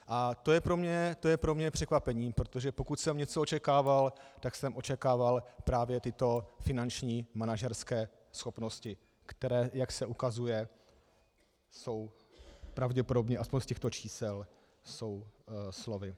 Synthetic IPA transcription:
ʔat̪o̞jɛpɾo̞mɲɛt̪o̞jɛpɾo̞mɲɛpr̝̥ɛkvapɛɲiːpɾot̪o̞ʒɛpo̞kucsɛmɲɛt͡soot͡ʃɛkaːvalt̪aksɛmʔo̞t͡ʃɛkaːvalpɾaːvjɛt̪ɪt̪o̞fɪnant͡ʃɲiːmanaʒɛɾskɛː | sxo̞pno̞scɪ | kt̪ɛɾɛːjaksɛʔukazujɛ | so̞w | pɾavɟɛpodobɲɛaspoɲscɛxt̪o̞t͡ʃiːsɛl | so̞wslo̞vɪ

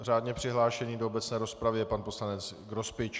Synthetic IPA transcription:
r̝aːdɲɛpr̥ɪɦlaːʃɛɲiːdoobɛt͡snɛːɾo̞spɾavɪɛpanpo̞slanɛt͡sɡɾospɪt͡ʃ

